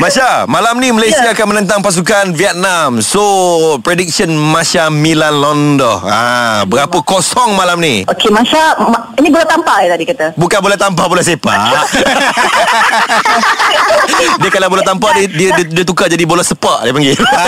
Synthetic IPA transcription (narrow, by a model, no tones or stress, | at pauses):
mãsamãlamnĩməlajsiaːkanmənə̃nt̪̬aŋpas̬ukanviɛt̪̚namsopɾedik̚sənmãsamĩlanlɔndɔ̰habəɡapəkosɔŋmãlamniokemãsam | inĩbolɛt̪ampaɛt̪adikat̪abukanbolɛht̪ampabolɛhsepa̰ | diəkalabolɛt̪ampadidiədidiət̪ukad͡ʒadibolɛsəpɔʔdapaŋɡi